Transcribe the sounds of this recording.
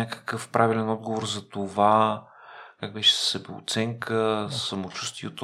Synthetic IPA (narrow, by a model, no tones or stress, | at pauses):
akə̥kəfpɾʔavilɛnɔd̪̚ɡovoɾzɐt̪ova | kaɡ̚bɛʃɛ̥ssɛbɛo̰t̪sɛŋkʰəsɐmot͡ʃust̪viɛt̪o